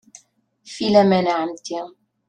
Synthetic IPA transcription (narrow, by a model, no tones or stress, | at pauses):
filɛmɛnaʕamt̪i